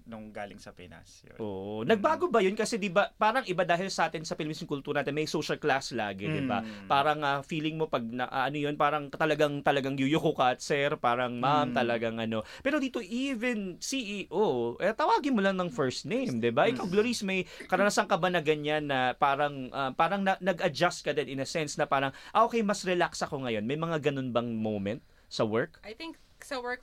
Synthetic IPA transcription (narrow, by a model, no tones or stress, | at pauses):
nʊŋɡaːlɪŋsɐpɛ̰na̰sjo̰ʔo̰ːʔonɐɡ̚baːɡo̞bɐjonkɐsɛd̪ɪbapaːɾɐŋʔɪbad̪aːɦɪlsɐʔaːt̪ɪnsɐpɪlɪmisɪnŋkʊlt̪uːɾɐnaːt̪ɛnmɐjsowʃɐlklasla̰ːɡɛd̪ɪba̰paːɾɐŋɐfiːlɪŋmo̞pɐɡ̚nɐ̰ʔɐ̰ʔɐnojonpaːɾɐŋt̪ɐlɐɡaŋt̪ɐlɐɡaŋjujʊkokat̪sɛɾpaːɾɐŋmamt̪ɐlɐɡaŋʔɐno̞pɛːɾod̪iːt̪o̞ʔivɛnsiʔiːʔoʔɛt̪ɐwaːɡɪnmolɐŋnɐŋfɛɹst̪nejmd̪ɪbaʔɪkawɡloɾismɐjkɐɾɐnasɐŋkɐbɐnɐɡɐnɲanːɐpaːɾɐŋʔɐpaːɾɐŋnɐnɐɡʔɐd͡ʒast̪̚kɐd̪ɛd̪ɪnɐsɛnsnɐpaːɾɐŋʔɐʔokejmɐsɾɛlaksɐko̞ŋɐjo̞nmɐjmɐŋaɡɐno̞nbɐŋmowmɛnt̪̚ | sɐwɛɹk̚ajt̪ɪŋk | sɐwɛk